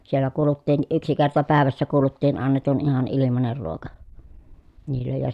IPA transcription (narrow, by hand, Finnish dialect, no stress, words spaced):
sielːæ kuːlutːiːn ʔyksi kertɑ pæˑeʋæsːæ kuːlutːiːn ɑnːetun ihɑn ilimɑner ruokɑ niːlːej jɑ